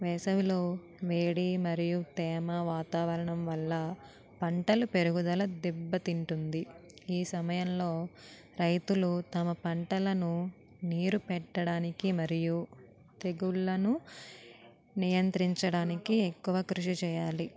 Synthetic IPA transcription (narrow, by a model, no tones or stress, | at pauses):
ʋɛːsɐʋilo̞ː | ʋeːɽimɐɾijut̪ɛːmɐʋaːt̪aːʋɐɾɐɳɐmʋɐlːɐ | pɐɳʈɐlupe̞ɾuɡud̪ɐlɐd̪ibːɐt̪iɳʈund̪iiːsɐmɐjɐmlo̞ː | ɾɐjt̪ulut̪ɐmɐpɐɳʈɐlɐnu | niːɾupɛʈːɐɽaːnikimɐɾiju | t̪eɡuɭːɐnu | nijɐnt̪ɾiɲt͡ʃɐɽaːnikiekːuʋɐkɾuʂit͡ʃɛːjaːli